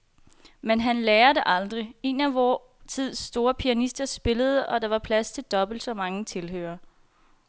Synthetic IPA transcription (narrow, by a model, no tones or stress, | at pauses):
menɦænleːɐdeʔɑ̈ld̥ʁie̝næʋɒ | t͡sʰið̰ˠsːd̥o̝ːɐpʰiænisd̥ɐsb̥e̝ləð̞̩ˠəʔɒ̽d̥ɑ̈ʋɑ̈pʰlæst͡sʰe̝ld̥ɒ̽b̥l̩d̥sɒ̽mɑ̈ŋət͡sʰelɦø̰ːɐ